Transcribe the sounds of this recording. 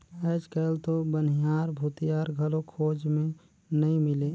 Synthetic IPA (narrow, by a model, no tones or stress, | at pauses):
əːd͡ʒkəlt̪obənijaːɾbʱut̪ijaːɾɡʱəlokʰoːd͡ʒmẽ | nɐĩmɪle